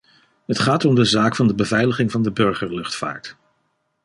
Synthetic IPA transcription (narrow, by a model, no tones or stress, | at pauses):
ɦətχaːtɔmdəzaːkfɑndəbəvɛjləχɪŋvɑndəbɵɹχəɹlɵχtfa̰ːɹt